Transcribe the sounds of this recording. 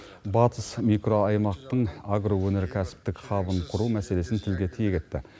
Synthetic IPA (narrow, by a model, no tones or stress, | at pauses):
bɑt̪əsmikro̞ɑjmɑqt̪əɴaɡrowɵne̞ɾkʲʰæsɪ̥p̚t̪ɪkχɑbənqʰʊɾumæse̞le̞sɪnt̪ʰɪlɡʲe̞t̪ʰijekʲe̞t̪ːɪ̰